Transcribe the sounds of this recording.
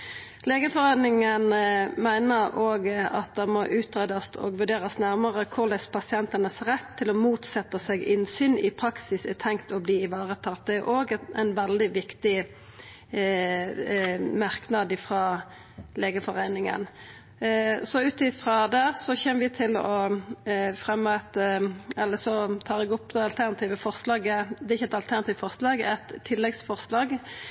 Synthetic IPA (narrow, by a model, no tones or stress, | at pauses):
leːɡəfɔʁæɪnɪŋənmæɪnəʁoːɡɑ̰t̪̚d̪ɛmɔʔʉːt̪ʁeːd̪ɑsɔ̰ɡʋʉɾd̪eːʁəsnæʁməʁəkʰʊʁlæspʰɑsɪɛnt̪ənəsʁɛt̪ʰːɪlɔmuːt̪sɛt̪ːəsɛɡɪnsyːnɪpʰʁɑksɪsɛt̪ʰɛŋkt̪ʰɔbliːɪʋɑːʁət̪ʰɑːt̪̚d̪ɛæɾʔoːɡæ̰ɪnʋɛld̪ɪʋɪkt̪ɪ | mɑʁknɑd̪ɪfʁɑ | leːɡəfɔʁæɪnɪŋə̰n | sɔʉːt̪ɪfɾɑd̪æːʁsɔçɛːməʋɪt̪ʰɪlɔ | fʁɛmːɑɛt̪ɛlːəsɔt̪ʰɑːlɛɡɔpːd̪ɛɑlt̪ʰæʁnɑt̪ʰiːʋəfɔʁslɑːɡəd̪ɛɪçːəɛt̪ɑlt̪ʰæʁnɑt̪iːʋfɔʁslɑːɡɛ̰t̪ʰːɪlːɛɡsfɔʁslɑːɡ